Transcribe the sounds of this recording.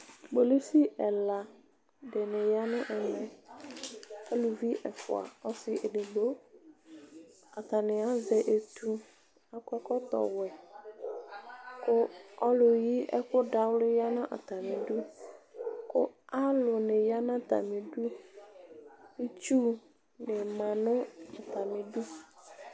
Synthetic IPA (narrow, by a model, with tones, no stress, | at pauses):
ɡ͡bo˨le˦si˦ʔɛ˨la˨ | dɪ˨nɪ˨ja˦nʊ̃˦ʔɛ˨mɛ̃˨ | ka˦lu˨vi˦ʔɛ˨fʊ̰˨a̰˨ɔ˨sɪ˨ʔe˨nɪ˨ɡ͡bo˦ | a˨t̪a˨nɪ˨a˦zɛ˨ʔe˨t̪u˨ | a˨kɔ˦kɔ˦t̪ɔ̰˨wɛ˨ | kʊ˦ɔ˦lʊ˨ji˦ʔɛ̰˦kʊ˦da˨wlʊ˦ja˦nã˦ʔa̰˨t̪a˨mɪ̃˨du˦ | kʊ˦a˦lʊ˨nɪ̃˨ja˦nã˦t̪a̰˨mɪ̃˨du˦ | i˦t͡ʃu˦ | nɪ˨mã˨nʊ̃˦a˨t̪a˨mɪ̃˨du˦